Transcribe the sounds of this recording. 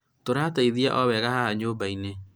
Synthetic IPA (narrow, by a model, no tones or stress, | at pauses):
toɾaːtaiðiaʔɔβɛɣahahaɲoːbaine